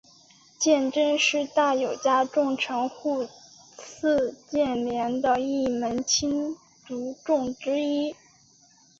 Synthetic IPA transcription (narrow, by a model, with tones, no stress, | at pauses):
t͡ɕjɛ˥˩˧nʈ͡ʂə˥˧ŋʂɻ̩˥˧t̪a˥˩jo˨˩ʊt͡ɕja˥ʈ͡ʂʊ˥˩ŋʈ͡ʂʰɤ˧˥ŋxu˥˧ | t͡s̩ʰ˥˧t͡ɕjɛ˥˩nljɛ˧˥nd̪ə˧i˥˩mə˧˥nt͡ɕʰi˥n | t̪u˧˥ʈ͡ʂʊ˥˩ŋʈ͡ʂɻ̩˥i˥